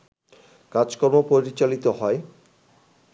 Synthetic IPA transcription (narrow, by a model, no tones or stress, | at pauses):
kad͡ʑkoɾmopoɾit͡ɕalit̪oɦɔe